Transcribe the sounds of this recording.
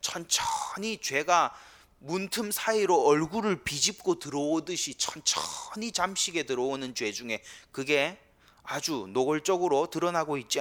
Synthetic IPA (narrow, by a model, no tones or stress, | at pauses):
t͡ɕʰʌnt͡ɕʰʌɲit͡ɕwe̞ɡa | muntʰɯmsʰaiɾoʌɭɡuɾɯɭpid͡ʑip̚k͈otɯɾʌodɯɕʰit͡ɕʰʌnt͡ɕʰʌɲit͡ɕamɕʰiɡe̞tɯɾʌonɯnt͡ɕwe̞d͡ʑuŋe̞kɯɡe̞ | ad͡ʑunoɡɯɭt͡ɕ͈ʌɡɯɾotɯɾʌnaɡoit̚t͡ɕ͈i